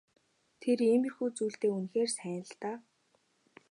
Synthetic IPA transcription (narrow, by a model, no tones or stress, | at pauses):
t̪ʰeriːmirxuːt͡suːɬt̪eːunxeːrsæːnə̆ɮt̪aː